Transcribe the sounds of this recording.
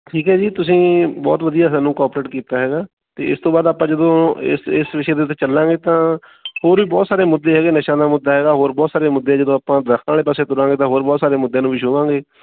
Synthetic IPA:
ʈʰiːkɦɛːd͡ʒiːt̪ʊsĩːbɔ̰ːt̪ʋəd̪ijaːsaːnũːkɔːpɾeːʈkiːt̪aːɦɛːɡaː | t̪ḛːɪst̪õːbaːd̪aːpãːd͡ʒəd̪õːɪ̰sɪsʋɪʃeːd̪eːʊt̪ːeːt͡ʃəlːãːŋɡeːt̪ãː | hoːɾʋiːbɔːt̪saːɾeːmʊd̪ːeːɦɛːɡeːnɪʃaːd̪aːmʊd̪ːaːɦɛːɡaːɦoːɾbɔːt̪saːɾeːmʊd̪ːeːd͡ʒəd̪õːaːpãːd̪ɾəkʰnaːleːp̬aːseːt̪ʊɾãːŋɡeːt̪ãːɦoːɾbɔːt̪saːɾeːmʊd̪ːẽaːnũːʋiʃoʋãːŋɡeː

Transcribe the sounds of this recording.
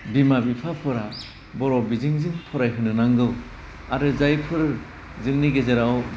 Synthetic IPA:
bimabipʰapʰɔɾa | bɔɾɔbiziŋzɯŋpʰɔɾajɦɯnɯnaŋɡɯw | aɾɯzajpʰɯɾ | zɯŋniɡezeɾaw

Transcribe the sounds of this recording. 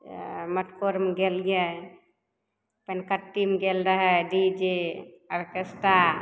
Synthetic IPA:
məʈkoɾmɡelɡe | pənkəʈːimɡelɾəɦɛɖid͡ʒeəɾkesʈa

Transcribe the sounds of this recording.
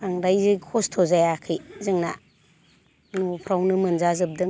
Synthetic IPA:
aŋdajzɯkʰostʰozajakʰɯjzɯŋna̰ | nupʰɾawnɯmɯnzazɯp̚dɯ

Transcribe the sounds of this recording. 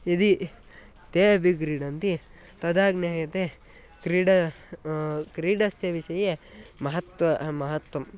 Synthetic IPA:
id̪i | t̪eːɐbʱiɡɾiːɖɐnt̪i | t̪ɐd̪aːɡneɦɐjɐt̪e | kɾiːɖɐ | kɾiːɖɐsjɐʋiʃɐjemɐɦɐt̪ʋɐmɐɦɐt̪wɐm

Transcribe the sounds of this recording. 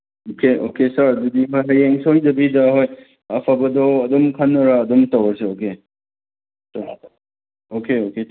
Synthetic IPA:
okʰeo̰kesaɾdudiɦojɦɐjeŋsojdɐbidɐɦoj | ɐpʰabɐdɔːdumkʰanːɔɾaːdumtawɐɾseoke | sa | okeoke

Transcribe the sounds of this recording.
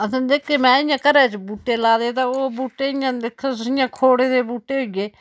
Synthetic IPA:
əsãːd̪eːkʰːeːmɛ̃ːɪjãːkəɾɛːt͡ʃbuːʈeːlaːd̪eːt̪aoːbuːʈːeːɪjãːd̪ɪkʰːəsɪjãːkʰoːɽeːd̪eːbuːʈːeːɦoiɡeː

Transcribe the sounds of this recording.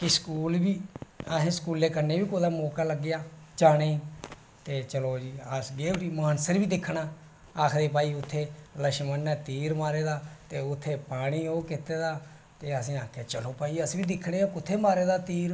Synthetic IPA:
kɪskuːlbiːaɦẽːskuːlːeːkənːeːbiːkoːd̪aːmoːkaːləɡːɪjaːd͡ʒaːɽ̃eː | t̪eːt͡ʃəloːd͡ʒiːəsɡeːʈiːmaːnsəɾʋiːd̪ɪkʰːɽaː | aːkʰd̪eːpaːiːʊt̪ʰːeːləʃmənːɛːt̪iːɾmaːɾeːd̪aːt̪eːʊt̪ʰːeːpaːɽ̃iːoːkɪt̪eːd̪aː | t̪eːəsĩːaːkʰeːt͡ʃəloːpaːiːəsbiːd̪ɪkʰːɽeːoːkʊt̪ʰːeːmaːɾeːd̪aːt̪iːɾ

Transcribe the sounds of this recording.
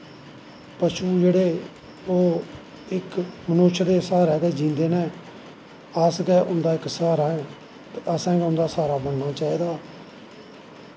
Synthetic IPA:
pəʃuːd͡ʒeːɽeː | oː | ɪkmənʊʃd̪eːsaːɾɛːd̪eːd͡ʒĩːnd̪eːnɛ̃ː | əsɡɛːʔʊnd̪aːɪksaːɾaːɛ̃ː | t̪əsɛ̃ːɡɛʊnd̪aːsaːɾaːbəɳnaːt͡ʃaːiːd̪aː

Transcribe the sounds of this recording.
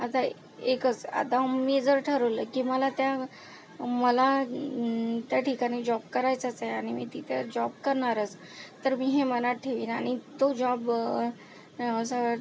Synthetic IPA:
at̪a | ekət͡sa̰t̪amid͡zəɾʈʰəɾələkiːməlat̪ja | məla | t̪jaʈʰikaɽ̃iːd͡ʑɔb̚kəɾajt͡sat͡saaɽ̃imḭːt̪it̪ed͡ʑɔb̚kəɾɳaɾət͡s | t̪əɾmiːɦemənat̪̚ʈʰeʋiːna̰ɽ̃it̪od͡ʑɔb | əsə

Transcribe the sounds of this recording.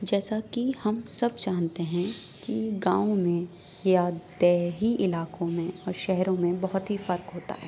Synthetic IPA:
d͡ʒɛːsakihɐmsɐbt͡ʃaːnt̪eɦɛ̃ | kiɡãːõmẽ | jad̪ɛːɦiʔɪlaːkõmẽɔːɾʃɛɦɾõmẽbɐɦʊt̪ɦifɐɾkɦoːt̪a̰ɦɛː

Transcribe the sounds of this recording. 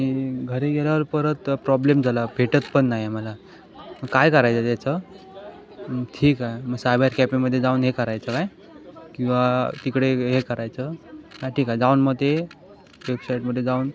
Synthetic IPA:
ãiɡʱəɾeɡeljaʋəɾpəɾət̪pɾɔblemd͡zʱalabʱeʈət͡spəɳːajeməla | məɡkajkəɾajt͡sat̪jat͡sə | ʈʰiːkaməɡsajbeɾkɛpĩməd̪ʱːjed͡zauːnɦekəɾajt͡səkaj | kĩw̃ʋat̪ikɽeɦekəɾajt͡səɦaʈʰiːkad͡zaunməd̪ʱe | ʋebsaiʈməd̪ʱjed͡zauːn

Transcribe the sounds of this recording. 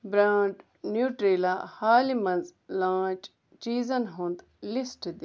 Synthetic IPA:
bɾaːɳʈ | njuːʈɾeːlaːhaːlimɐ̃nzlãːt͡ʃ | t͡ʃiːzɐnɦõnd̪ | lɪsʈd̪

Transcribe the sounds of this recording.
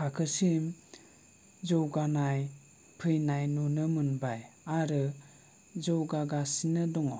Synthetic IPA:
kʰakʰɯsim | zɔwɡanaj | pʰɯjnajnunɯmɯnbajaɾɯ | zɔwɡaɡasinɯdɔŋɔ

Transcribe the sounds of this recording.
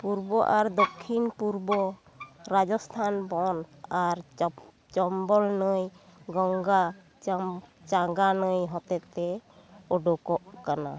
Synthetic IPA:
puɾbɔʔaɾd̪ɔkʰːinpuɾbɔ | ɾad͡ʒɔst̪ʰanbɔnaɾ | t͡ʃɔmbɔlnəjɡɔŋɡa | t͡ʃaɡanəjɦɔt̪ɛt̪ɛɔɖɔkɔʔkana̰

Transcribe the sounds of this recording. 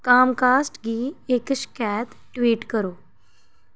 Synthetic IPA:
kamkasʈɡiːekəɕkɛt̪ | ʈʋiːʈkəɾo

